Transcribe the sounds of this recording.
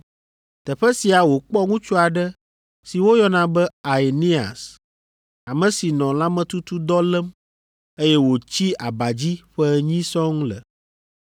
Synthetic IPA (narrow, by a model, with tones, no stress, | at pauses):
t̪ɛ˨ɸɛ˦si˨a˨wo˨k͡pɔ˦ŋũ˦t͡ʃu˦a˨ɖɛ˦ | si˨wo˦jɔ˦nã˨bɛ˦a˨e˨ni˦a̰˨s | a˨mɛ̃˨si˨nɔ̃˨la˦mɛ̃˨t̪u˦t̪u˦d̪ɔ˦lɛ˦m | e˦jɛ˦wo˨t͡ɕi˦a̰˨ba˨d͡ʑi˦ɸɛ˦ɲĩ˦sɔ̃˦ŋũ˦lɛ̰˨